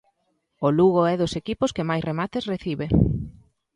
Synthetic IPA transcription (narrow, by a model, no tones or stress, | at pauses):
oluɣoɛðʊsekipʊskemajsremat̪esreθiβe